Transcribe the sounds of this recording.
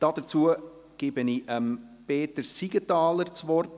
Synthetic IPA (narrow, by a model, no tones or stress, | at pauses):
d̥ɑd̥əɾt͡suə | ɡ̥ɪːb̥əniəmpeːtəɾsiɡ̥ətɑːlərt͡sʋɔrt